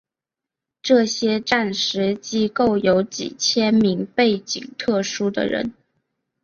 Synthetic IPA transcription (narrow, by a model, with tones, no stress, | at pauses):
ʈ͡ʂɤ˥˩ɕjɛ˥ʈ͡ʂa˥˩nʂɻ̩˧˥t͡ɕi˥ko˥˩ʊjo˧˥ʊt͡ɕḭ˨˩t͡ɕʰjɛ˥nmi˧˥ŋpe˥˩ɪt͡ɕḭ˨˩ŋt̪ʰɤ˥˩ʂu˥d̪ə̰˨ɻə̰˧˥n